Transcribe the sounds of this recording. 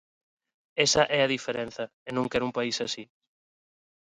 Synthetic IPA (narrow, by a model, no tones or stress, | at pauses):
esɐʔɛɐðifeɾen̟θɐ | enõŋkɛɾumpaisasi